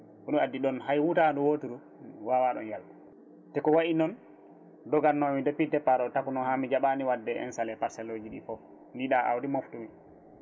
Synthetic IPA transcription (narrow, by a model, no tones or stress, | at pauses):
kɔɗuadːiɗɔnhajwutandɔwotuɾu | wawaɗɔ̰njalku | tɛkɔwaʔinɔn | dɔɡanːɔmidɔpidɛpaɾɔtakunɔhamid͡ʒaɓaniwadːɛɛ̰nsalɛpasɛlːod͡ʒiɗḭfɔ | ndiɗaʔa̰wdimoftumi